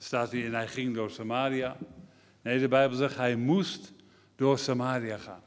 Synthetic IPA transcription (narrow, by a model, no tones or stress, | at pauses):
staːtiɛnɛjχɪŋdoːɹsamaːɾia | nejdəbɛjbəl̩ˠzɛχtɦɛjmust | d̥oːrsamaːriaχaːn